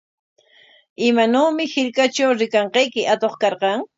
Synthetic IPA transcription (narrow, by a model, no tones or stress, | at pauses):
ɪmanoːmɪhɪʎkat͡ʃawɾɪkɑɴqɑjkɪʔat̪oχkɑɾqɑŋ